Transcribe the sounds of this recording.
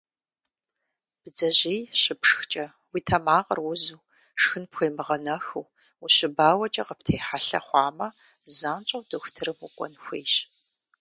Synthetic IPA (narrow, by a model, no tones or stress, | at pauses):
b̥d͡zɐʑejɕɪpʂxt͡ʃʼɐ | wiːtʰɐmaːqɐrwʊzuː | ʂxɨnpxʷejmɨʁɐnɐxɨw | uɕɪbaːwɐt͡ʃʼɐqəptʰeːħaɬɐ̰χʷɑːmɐ | zaːnt͡ʃʼɐwdɐxʷʊtʰɨrɨmukʷʼɔ̰nxʷḛːjɕ